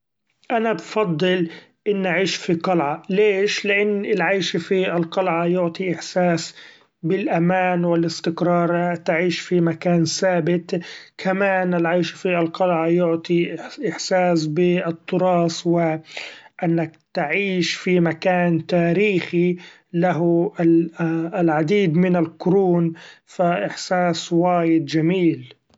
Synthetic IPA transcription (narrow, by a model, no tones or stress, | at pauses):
ʔanabfɑd̪ˤːɨl | ʔɪnːʔaʕiːʃfiqɑlʕɑleːʃlɪʔanːɪlʕajʃfiɪlqɑlʕɑjʊʕt̪ˤiʔɪħsaːs | bɪlʔamaːnwɪlɪst̪ɪkɾˤɑːɾˤt̪aʕiːʃfimakaːnsaːbɪt̪kʰamaːnɪlʕajʃfialqɑlʕɑjʊʕt̪ˤiʔɪħsaːsbɪt̪ˤʰːʊɾɑːswɪʔɪnːak̚t̪aʕiːʃfimakaːnt̪aːɾiːxi | laɦ | lʕad̪iːd̪mɪnalkʊɾuːnfaʔɪħsaːswaːjɪd̪d͡ʒamiːl